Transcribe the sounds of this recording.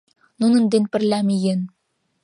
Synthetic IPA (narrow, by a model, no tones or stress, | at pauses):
nunɤ̆nd̪enpɘ̆rlʲæmijɘ̆n